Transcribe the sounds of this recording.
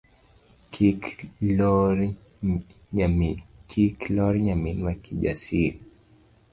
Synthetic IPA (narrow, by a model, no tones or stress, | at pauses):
k | lɔɾ | kʰiklɔɾiɲaminiwakiʄa̰siɾi